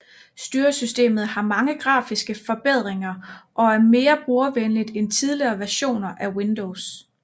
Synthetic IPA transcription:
sd̥yːɐsysd̥e̝̰ːmð̩ˠhɑ̈mɑ̈ŋəɡ̥ʁɑ̰̈ːfisɡ̥əfɒ̽b̥eð̞̰ˠʁeŋɐʔɒ̽æɐme̝ːɐb̥ʁuɐʋenlid̥ent͡sʰið̞ˠliɐːʋæɐɕo̝̰ːnɐʔæwind̥oʊs

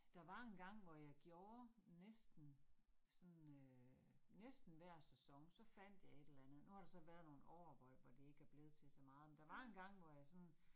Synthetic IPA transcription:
d̥ɑ̈ʋɑ̈e̝nɡ̥ɑ̈ŋ̰ʋɒjɑ̈ɪɡ̥jo̝ːɐnesd̥n̩sɒ̽nø | nesd̥n̩ʋæɐ̰sesɒ̽ŋsɒ̽fæn̰d̥jɑ̈ɪe̝ɾ̥elɐlænð̩ˠnuhɑ̈ɾ̥ɑ̈sɒ̽ʋæɐð̞ˠno̝ːn̩ɒʊɐʋɒ̽l̰ʋɒd̥ie̝ɡ̥æɐb̥le̝ð̞̩ˠt͡sʰe̝lsɒ̽mɑ̈ːð̞̩ˠmend̥ɑ̈ʋɑ̈e̝nɡ̥ɑ̈ŋ̰ʋɒjɑ̈ɪsɒ̽n

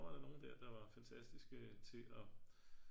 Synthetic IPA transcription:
ʋɑ̈ɾ̥ɑ̈no̝ːn̩d̥æɐd̥ɑ̈ʋɑ̈fænt͡sʰæsd̥isɡ̥ət͡sʰe̝ʔɒ̽

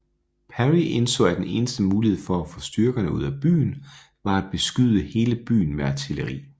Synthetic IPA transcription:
pʰæʁiʔe̝nsɔ̰̽ːæd̥ene̝ːnəsd̥əmuːlihe̝ð̞̰ˠfɒ̽æfɔ̽sd̥yɐɡ̥ɐnəuð̞̰ˠæb̥y̰ːn̩ | ʋɑ̈æd̥̚b̥e̝sɡ̥yð̞ˠəhe̝ːləb̥y̰ːn̩meæt͡sʰiləʁḭː

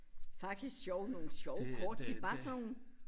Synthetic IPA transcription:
fɑ̈ɡ̥̚d̥isɡ̥sjɒʊno̝ːl̩sjɒʊkʰɒːd̥d̥ib̥ɑ̈sn

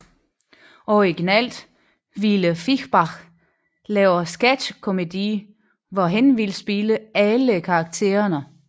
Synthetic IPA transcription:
ʔɒiɡ̥inɛl̰d̥ | ʋiləfiɡb̥ɑ̈χ | lɛːʊɐsɡ̥æd̥kʰo̝med̥iː | ʋɒɦenʋilsb̥iləæləkʰɑ̈ːɡ̥̚t͡sʰe̝̰ːɐnə

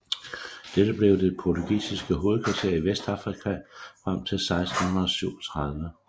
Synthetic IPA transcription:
d̥ed̥əb̥le̝ʊd̥e̝pʰɒt͡sʰuɡ̥ḭːsisɡ̥əɦo̝ːð̞̩ˠkʰʋɑ̈t͡sʰe̝ɐ̰iʋesd̥ɑ̈fʁikʰæfʁam̰t͡sʰe̝lsɑ̈ɪsd̥n̩hunɐð̩ˠɒ̽syʊ̰ɒt͡sʰʁɑ̈ð̞ˠʋə

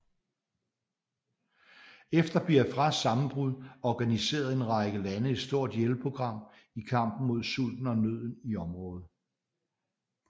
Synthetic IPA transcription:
efd̥ɐb̥liɐfʁɑsɑ̈mn̩b̥ʁuðˠɒɡ̥ænise̝̰ːɐð̞ˠe̝nʁɑ̈ɪɡ̥əlænəed̥sd̥o̝ɐ̰d̥jelpʰo̝ɡ̥ʁɑ̈m̰ | ikʰɑ̈m̰b̥n̩mo̝ð̞̰ˠsul̰d̥n̩ɒ̽nøð̞̰ˠn̩iɒ̽mʁɔ̽ːð̞̩ˠ

